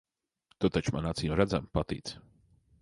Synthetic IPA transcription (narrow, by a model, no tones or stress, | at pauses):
t̪ɔt̪at͡ʃma̰nat̪sijɔmɾæd̪zampat̪ḭːt̪s